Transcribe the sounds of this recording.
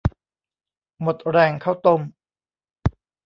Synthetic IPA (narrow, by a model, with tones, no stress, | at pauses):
mo˨˩t̪̚ɾɛː˧ŋkʰa˥˩wt̪o˧m